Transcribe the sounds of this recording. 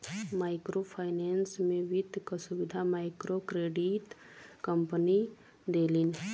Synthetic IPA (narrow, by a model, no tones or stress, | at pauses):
maːɪkɾopʰaɪneːnsmẽʋɪd̪kasʊʋɪd̪ʱamaːɪkɾokɾeːɖiʈ | kəmpəni | d̪eːlin